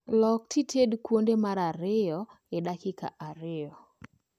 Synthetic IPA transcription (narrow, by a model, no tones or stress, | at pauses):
lɔk̚tʰitʰedkwondemaɾaɾɪjɔ | ɛdakɪka̰ʔaɾɪjɔ